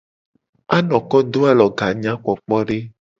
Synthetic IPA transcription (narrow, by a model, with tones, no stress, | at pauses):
a˦nɔ̃˨kɔ˦d̪o˦a˦lɔ˨ɡa˨ɲã˦k͡pɔ˨k͡pɔ˦ɖe˦